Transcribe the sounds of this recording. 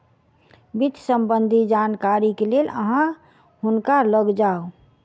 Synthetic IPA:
bid̪ʱsəmbənd̪ʱid͡ʒankaɾikelelə̰ɦã | ɦʊnkaləɡd͡ʒaːo

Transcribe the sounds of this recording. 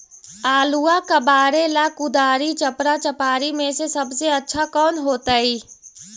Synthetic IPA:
aːluakəbaːɾelakud̪aːɾit͡ʃəpɾat͡ʃəpaːɾimesesəbʱseətːʃʰakɔːnɦoːt̪əi

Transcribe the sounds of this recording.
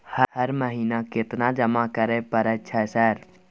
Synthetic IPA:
həhəɾməɦiːnakɪt̪nad͡ʒɐmakəɾepəɾət͡ʃʰɛsəɾ

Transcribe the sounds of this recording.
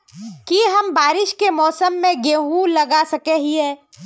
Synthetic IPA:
kiɦɐmbaːɾɪʃkemɔːsəmːẽɡeːɦũlɐɡasɐkeɦiɦɛː

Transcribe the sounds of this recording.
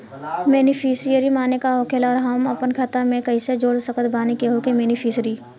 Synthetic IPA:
mɛːnifʰiːsijəɾimaːnekaɦoːkʰelɔːɾɦɐmɐpənkʰət̪amẽkɐĩsed͡ʒoːɽsəɐkət̪baːnikeɦokemeːnifʰiːsɾiː

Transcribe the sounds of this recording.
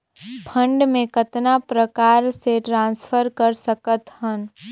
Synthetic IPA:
pʰə̃ɳɖmẽkət̪napɾəkaːɾseʈɾãːnsfʰəɾkəɾsəkət̪ɦən

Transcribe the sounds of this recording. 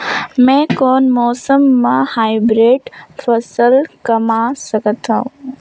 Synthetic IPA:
mɛ̃ːkɔːnmɔːsəmːãhaːɪbɾeːɖfɐsəlkɐmasɐɡʱət̪ãũ

